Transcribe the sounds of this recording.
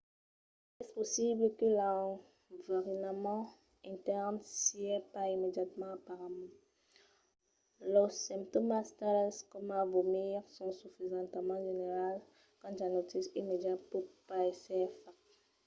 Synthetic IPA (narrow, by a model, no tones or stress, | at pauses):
ɛsposibləkəla | vaʁinamɑ̃ | ɛ̃t̪ɛʁmsiɛpaimed̪jat̪mɑ̃apaʁamɑ̃ | lɔʁsɛ̃mpt̪omast̪alɛskɔmavomiʁsɔ̃syfizɑ̃t̪amɑ̃ʒeneʁal | kɑ̃t̪anot̪isimed̪jat̪pupaɛsɛfa